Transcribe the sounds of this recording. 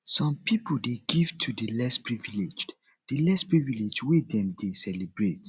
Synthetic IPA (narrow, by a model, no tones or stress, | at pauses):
sɔ̃mpʰipʰoldeɡivtʰudəlɛspɹivilid͡ʒ | d̥əlɛspɹivilid͡ʒwidɛ̃mdesɛlibɹet